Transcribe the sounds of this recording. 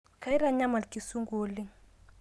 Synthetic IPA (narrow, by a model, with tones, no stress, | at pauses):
ka˨˦i˦ɾa˦ɲa˦ma˨lki˨su˦ŋɡo˨li˦ŋ